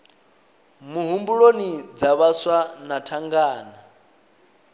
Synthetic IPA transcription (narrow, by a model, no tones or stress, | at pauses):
muɦumbuɺonid͡zaβaswanatʰaŋɡaːna